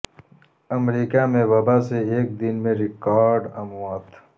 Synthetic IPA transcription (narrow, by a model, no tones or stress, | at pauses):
ɐmɾiːkamẽwɐbaseeːk̚d̪ɪnmẽɾɪkaːɾɖɐmwaːt̪